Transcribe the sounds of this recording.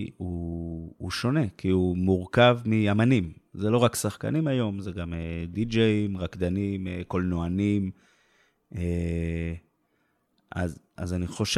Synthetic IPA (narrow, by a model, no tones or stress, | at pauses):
uː | ʃo̞ne̞kiumuʁkavmiamanimzelo̞ʁaksaχka̰nimajo̞mzeɡamed̪id͡ʒeimʁakd̪animeko̞lnoanim | e | a̰zʔazaniχo̞ʃ